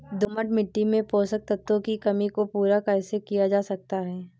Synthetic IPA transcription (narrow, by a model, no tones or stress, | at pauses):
d̪ʊməʈmɪʈːimẽpoːsək̚t̪ɐt̪ːõkikɐmikopuːɾakaɪsekijad͡ʒaːsɐk̚t̪aɦɛː